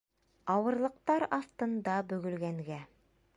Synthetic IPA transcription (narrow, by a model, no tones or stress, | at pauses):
ɑwɤ̆ɾlˠɤ̆q̚t̪ɑɾɑst̪ɤ̆nd̪ɑbɵ̆ɡɵ̆lɡæŋɡæ